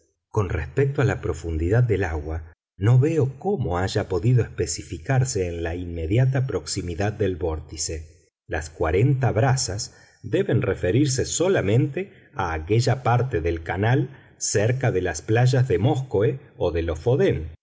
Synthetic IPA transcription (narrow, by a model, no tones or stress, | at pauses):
ko̞nrespek̚t̪oalapɾo̞fund̪iðað̚ːe̞laɣwa | no̞βeoko̞mo̞aʒapo̞ðiðo̞espe̞sifikaɾseːnlainme̞ðjat̪̬apɾo̞ksimiðad̪ːelβo̞ɾt̪ise | la̰skwaɾe̞nt̪aβɾasas | d̪e̞βe̞nrefe̞ɾiɾs̬e̞so̞lamẽ̞nt̪e | aːkeʒapaɾt̪eðe̞lkanal | seɾkaðe̞lasplaʒazðemo̞skoe | oðe̞lo̞foðen